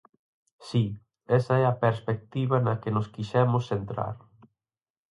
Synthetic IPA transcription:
si | ɛsɐɛɐpeɾspek̚t̪iβɐnɐkenʊskiʃɛmʊsθent̪ɾa̰ɾ

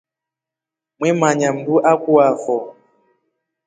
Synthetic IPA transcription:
mwɛmaɲam̩buʔakuafɔ

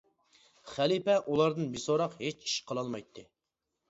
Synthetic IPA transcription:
χælipɛʔulˠɑɾd̪ɨnbisoɾɑqhet͡ʃi̥ʃqʰəlˠɑlˠmɑjt̪ʰːɨ

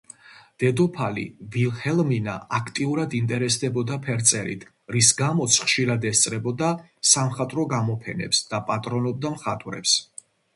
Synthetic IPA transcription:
d̪̥ɛd̪ɔpʰalḭvilhɛlmina̰akʰt̪ʼiuɾad̪int̪ʼɛɾɛsd̪ɛbɔd̪apʰɛɾt̪sʼɛɾḭt̪ʰ | ɾisɡamɔt̪sʰχʃiɾad̪ɛst̪sʼɾɛbɔd̪asamχat̪ʼɾɔɡamɔpʰɛnɛ̰psd̪̥apʼat̪ʼɾɔnɔb̚d̪amχat̪ʼɾɛ̰ps

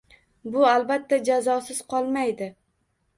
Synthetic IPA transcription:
bʊalˠbat̪ʰːad͡ʒazɒsɪz̥qʰɒlˠmajd̪ɪ

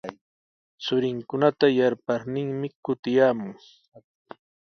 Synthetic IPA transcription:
t͡sʊɾɪŋkʊnat̪ajaɾpaɾnɪŋmɪkʊt̪ɪjaːmʊŋ

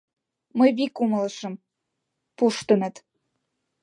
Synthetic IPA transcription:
məjβikumələʃə̆m | puʃt̪ə̆mə̆t̪

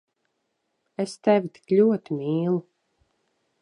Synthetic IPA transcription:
est̪ɛvʲit̪i̥klʲuɔt̪imiːlˠu

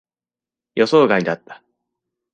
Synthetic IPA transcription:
jo̞so̞ːɡaid̪at̪ːḁ

